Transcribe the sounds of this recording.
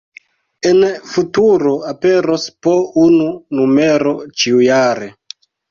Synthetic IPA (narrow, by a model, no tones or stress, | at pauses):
enfutuɾo̞ape̞ɾospoununume̞ɾo̞t͡ʃiujaɾe